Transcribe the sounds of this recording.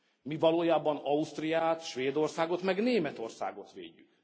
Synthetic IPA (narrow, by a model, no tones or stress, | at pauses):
mivɒloːjaːbɒnɒust̪rijaːt̪ʃʋeːd̪o̞rsaːɡo̞t̪mɛɡneːmɛt̪o̞rsa̰ːɡo̞t̪ʋḛːɟːyk